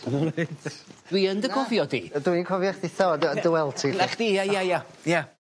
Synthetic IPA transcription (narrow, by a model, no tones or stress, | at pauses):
d̥wiəndəkʰɔvjɔdḭdwinikʰɔvjaχdɪθɔddəwɛlˠtʰiɛχd̥ijajaja | ja